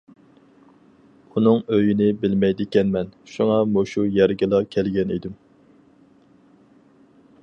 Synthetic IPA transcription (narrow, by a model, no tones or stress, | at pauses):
unɨŋøjinɪbɪlmɛjd̪ɪkʲɛnmɛnʃuŋɑmoʃujæɾɡʲɪlˠɑkʲʰɛlɡʲɛnḭd̪ɪm